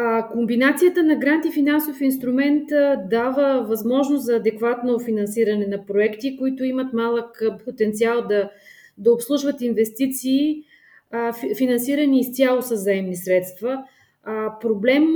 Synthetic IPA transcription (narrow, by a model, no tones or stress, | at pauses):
kombinat̪sijət̪ənɐɡɾant̪ifinansofinst̪ɾumɛnt̪d̪avəvɐzmɔʒnoszɐːd̪ɛkvat̪nofinɐnsiɾɐnɛnɐpɾoɛkt̪ikoit̪ʊimət̪malˠəkpot̪ɛnt̪sialˠd̪ɐ | d̪ɐopslˠuʒvət̪invɛst̪it̪siː | finɐnsiɾəniːst̪ʲjalˠosəzaɛmnisɾɛt̪st̪və | pɾoblɛm